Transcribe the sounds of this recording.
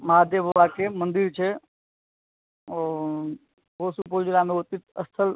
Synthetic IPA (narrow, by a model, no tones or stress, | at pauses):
maːd̪jəbʱʋaːkemənd̪iɾt͡ʃʰe | ɦoːsupoːd͡ʒɾameoːt̪it̪əst̪ʰəl